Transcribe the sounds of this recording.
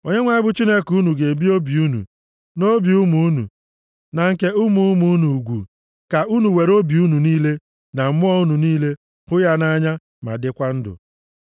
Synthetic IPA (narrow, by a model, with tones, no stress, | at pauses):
o˨ɲe˦ŋʷa˦ɪ˦bʊ˦t͡ʃi˦ne˦ku˦nu˨ɡe˨bi˦o˦bi˨u˦nṵ˨ | no˦bi˨u˦mu˨u˦nṵ˨ | na˨ŋ̩˨ke˦ʊ˦mu˨ʊ˦mu˨˦nu˨ɡʷṵ˨ | ka˨ʔu˦nu˨we˨ɾo˦bi˨u˦nu˨niː˦le˦ | na˨m̩˨mʊ˦ɔ˦u˦nu˨niː˦le˦ | hʊ˦ja˦na˦ɲa˦ | ma̰˨dɪ˦kʷa˦n̩˦dʊ̰˨